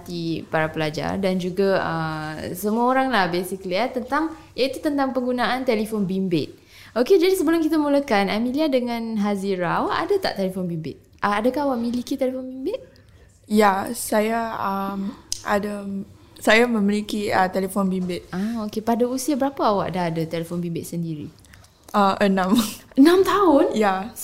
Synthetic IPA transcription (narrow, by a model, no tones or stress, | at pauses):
at̪ipaɾapəlad͡ʒa̰rdand͡ʒuɡaəsəmuaoɾaŋlahbesikəliat̪ənt̪aŋ | jait̪ut̪ənt̪aŋpəŋɡunaant̪elifonbimbɪ̰t̪̚ | ʔoked͡ʒadisəbəlʊmkit̪amulakanamĩliadəŋãnɦaziɾaawaʔadat̪a̰ʔt̪elefonbimbɪt̪̚ | ʔəadakahawaʔmilikit̪elefonbimbɪt̪̚ | jasajaəma̰da | sajamə̃milikiət̪elefonbimbɪt̪̚aokepadausiabəɾapaawa̰ʔdaɦadat̪elefonbimbɪt̪̚səndiɾḭ | əənãmʔənãmt̪aʊnja